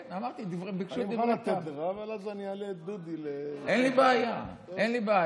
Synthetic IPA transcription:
namaʁt̪id̪ivʁebikʃudiat̪ed̪ʁavelazanialed̪ud̪ileʔenlibeaja | ʔenlibea

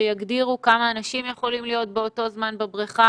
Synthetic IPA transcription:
ejaɡdiʁukamaːnaʃimjeχo̞limlijo̞t̪̚be̞o̞to̞zmanbebʁiχa

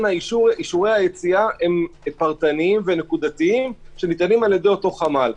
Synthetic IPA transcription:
naiʃuiʃuʁe̞jhajet͡siae̞mepaʁt̪aniimvene̞kud̪at̪iimʃe̞nit̪animaljed̪e̞jo̞to̞χamal

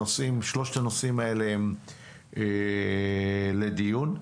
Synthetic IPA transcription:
osimʃloʃet̪ano̞simaele̞em | e | le̞d̪ijun

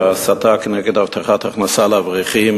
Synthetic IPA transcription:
asat̪akənɛɡet̪avt̪ʰaχat̪aχnasalavʁiχim

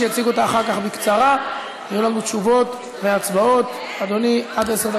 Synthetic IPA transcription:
ejat͡siɡuot̪aːχaʁkaχbikt͡saʁa | ajulanut͡ʃuvo̞t̪ | veat͡sbao̞t̪ | ad̪o̞niad̪eseʁd̪a

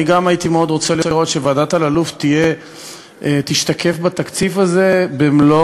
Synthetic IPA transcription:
iɡamajit̪imeo̞d̪ʁo̞t͡seliʁo̞t̪ʃevaːdat̪alaluft̪ije̞ | et̪iʃt̪akʰe̞fbat̪akt͡sifaze̞bemlo

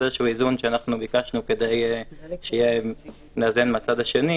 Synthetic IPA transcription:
eʃhuizunʃeanaχnubikaʃnuke̞d̪ejʃeije | neazenmeat͡sad̪aʃe̞ni

